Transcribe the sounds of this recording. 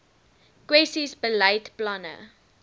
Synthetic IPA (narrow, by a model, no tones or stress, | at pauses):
kwɛsisbələɪtplanə̰